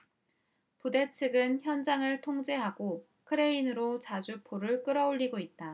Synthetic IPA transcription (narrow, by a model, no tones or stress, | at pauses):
pude̞t͡ɕʰɯɡɯnçjʌnd͡ʑaŋɯɭtʰoŋd͡ʑe̞ɦaɡo | kʰɯɾe̞inɯɾot͡ɕad͡ʑupʰoɾɯɭk͈ɯɾʌoʎːiɡoit̚t͈a